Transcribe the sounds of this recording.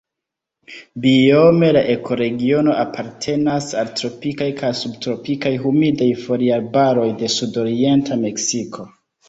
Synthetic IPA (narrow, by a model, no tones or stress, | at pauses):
bio̞me̞laʔe̞kʰo̞ɾe̞ɡio̞no̞ʔapʰaɾtʰe̞nasaltɾo̞pikajkajsubtɾo̞pikajɦumidajfo̞ɾialbaɾo̞jde̞sudo̞ɾie̞ntʰame̞ksikʰo̞